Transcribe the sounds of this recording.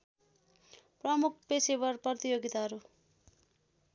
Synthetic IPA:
prʌmuk̚ʰpesebʌrpʌt̪ijoɡit̪aɦʌɾu

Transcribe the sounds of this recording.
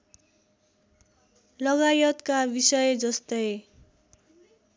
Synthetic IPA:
lʌɡajʌt̪kabisʌjd͡zʌst̪ʌj

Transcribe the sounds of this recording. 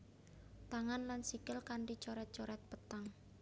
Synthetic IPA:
t̪aŋanlansikəlkaɳʈit͡ʃɔɾɛt̪̚t͡ʃɔɾɛt̪̚pət̪aŋ

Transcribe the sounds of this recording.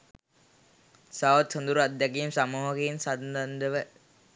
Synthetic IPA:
saʋət̪sond̪uɾuad̪ːɛkiːmsamuːɦəkeinsand̪and̪əʋə

